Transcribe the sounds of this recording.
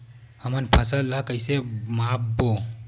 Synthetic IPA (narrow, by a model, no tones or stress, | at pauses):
həmənpʰəsəlːəkəɪsemapbo